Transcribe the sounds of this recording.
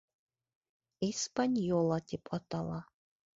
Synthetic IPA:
ispanʲjɔlˠat̪ʰʼipʼɔt̪ʰʼalˠa

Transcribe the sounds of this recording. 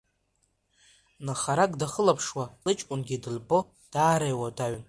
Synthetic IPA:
naχaɾakʼdaχəlapʰʂwalɨt͡ʃʼkʼʊnɡʲidɨlbo̞ | d̥aːɾajwadaɥ

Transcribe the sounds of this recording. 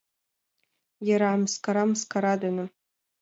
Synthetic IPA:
jaɾaːmskʰaɾamskʰaɾadanɨ

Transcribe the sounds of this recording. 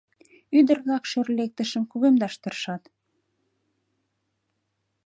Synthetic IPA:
yd̪ərβlɑkʃørlek̚t̪əʃəmkuɣemd̪ɑʃt̪ərʃɑt̪

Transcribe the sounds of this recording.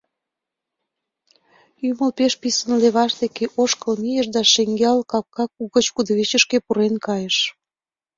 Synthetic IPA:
yməlpeʃpisənleβɑʃd̪ekeʔoʃkəlmijəʃ̬d̪ɑʃeŋɡeɑlkɑp̚kɑkuɣət͡ɕkud̪əβet͡ɕəʃkepuɾenkɑjeʃ

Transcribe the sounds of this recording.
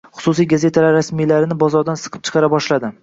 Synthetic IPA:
χʊ̥sʊsijɡaze̞t̪ʰalaɾːasmijlaɾɪnɪbɒzɒɾd̪ansɨ̥qʰɨp̚t͡ʃʰɨ̥qʰɑɾabɒʃlad̪ɪ

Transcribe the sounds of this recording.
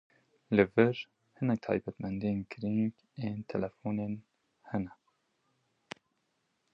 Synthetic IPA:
lɨvɨɾ | hɨnɛk̚t̪ʰɑ̰ːjbɛt̪mɛnd̪ieːnɡɨɾiŋɡ | eːnt̪ʰɛlɛfuːneːn | hɛnɛ

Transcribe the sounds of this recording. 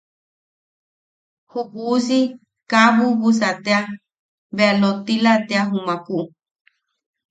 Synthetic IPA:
huhusi | kaβuβusat̪ea | βealot̪ilat̪eaɦumãkuʔu

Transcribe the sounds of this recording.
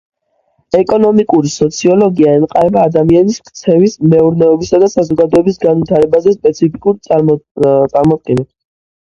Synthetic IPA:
ɛkʼɔnɔmikʼuɾisɔt̪sʰiɔlˠɔɡiaɛnqʼaɾɛbaːd̪amianiskt̪sʰɛvismɛuɾnɛɔbisad̪asazɔɡad̪ɔɛbisɡanvit̪ʰaɾɛbazɛspʼɛt̪sʰipʰikʼuɾt̪ʼ | t̪sʼaɾmɔd̪̚ɡɛnɛb

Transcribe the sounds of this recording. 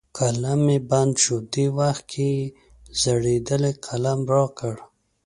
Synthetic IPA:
kalameband̪ʃud̪iwaxt̪̚kʰi | z̥əɽed̪əleqʰalamɾokəɽ

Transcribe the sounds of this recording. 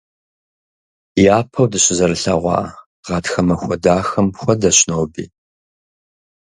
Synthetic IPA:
jaːpʰɐwdɨɕɪzɐɾɨɬɐʁʷɑ̰ː | ʁɑtxɐmɐxʷɔdaːxɐmxʷɔdɐɕnowbḭː

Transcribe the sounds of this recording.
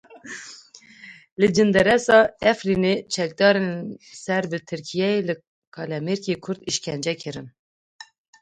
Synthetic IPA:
lɨd͡ʒɨnd̪ɛɾɛsɑːɛfrinet͡ʃʰɛk̚d̪ɑːɾensɛɾbɨt̪ʰɨɾkʰijɛjelɨ | kʰɑlɛmeɾkekʰʊɾd̪iʃkʰɛnd͡ʒɛkʰɨɾɨn

